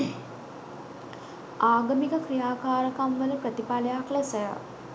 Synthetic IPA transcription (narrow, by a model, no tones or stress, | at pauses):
aːɡəmikəkrijaːkaːɾəkamʋələprət̪ipaləjaklɛsəjə̰